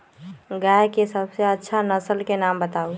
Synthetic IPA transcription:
ɡajkesəbseətːʃʰanəsəlkenambət̪aːu

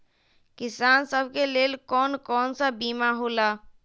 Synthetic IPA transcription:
kɪsaːnsəbʱkeleːlkɔːnkɔːnsabiːmaɦoːla

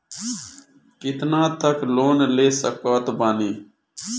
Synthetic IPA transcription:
kɪt̪nãːt̪əkloːnleːsəkaːt̪baːniː

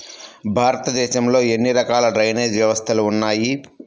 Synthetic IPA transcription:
bʱaːɾɐt̪ɐd̪ɛːʃɐmlo̞ːe̞nːiɾɐkaːlɐɖɾɐjneːd͡ʒʋjɐʋɐst̪ʰɐluːnːaːji

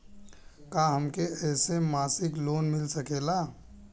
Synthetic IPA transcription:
kaːɦəmkeɛːsemaːsɪkloːnmɪlsɐkeːlaː

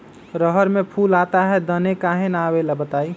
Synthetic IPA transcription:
ɾəɦəɾmepʰulat̪aɦɛd̪ənekaɦenabelɛbət̪aːi

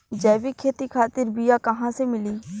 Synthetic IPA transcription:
d͡ʒɛːʋiːkʰeːt̪iːkʰaːt̪ɪɾbɪjaːkəɦãːseːmɪliː

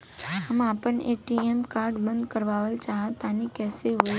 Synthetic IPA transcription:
əmapəɳeʈiemkaɾɖbənd̪kəɾʋaʋəlt͡ʃaɦat̪anikɛseɦo

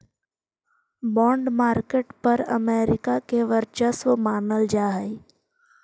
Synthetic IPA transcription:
bɔ̃ːɳɖmaːɾkeːʈpɐɾə̰meːɾɪkakeʋəɾt͡ʃəsʋəmaːnəld͡ʒaːɦəi

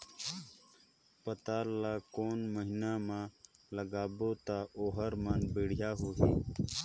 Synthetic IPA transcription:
pət̪aːlaːkoːnməɦinamãləɡaːboːt̪aoːɦəɾmaːnbiːɽ̤jaːɦoːɦiː

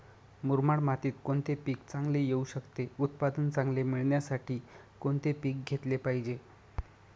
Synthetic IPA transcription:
muɾmaɽmat̪iːt̪koɳt̪epiːkt͡sãŋɡlejeuɕəkt̪eut̪̚pad̪ənt͡sãŋɡlemiɭɳjasaʈʰiː | koɳt̪epiːk̚ɡʱet̪lepaɦid͡ʑe

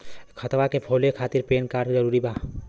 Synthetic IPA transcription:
kʰət̪ʋakepʰoːlekʰaːt̪ɪɾpeːnkaːɾzəɾuːɾibʱaː

